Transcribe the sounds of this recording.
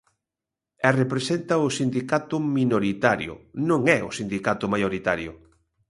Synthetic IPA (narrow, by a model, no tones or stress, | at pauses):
ɛrepɾesent̪ɐʊsind̪ikat̪ʊminoɾit̪aɾjʊ̰nõŋɛʊ̰sind̪ikat̪ʊmajoɾit̪aɾjʊ̰